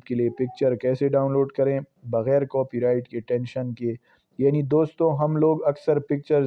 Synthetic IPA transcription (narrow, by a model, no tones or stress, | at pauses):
pkeliepɪk̚t͡ʃəɾkɛːseɖaːʊnloːɖkɐɾẽːbɐɣɛːɾkɔːpiɾaːɪʈkeʈɛ̃ːnʃənke | jaːnid̪oːst̪õɦɐmloːɡɐksəɾpɪk̚t͡ʃəɾ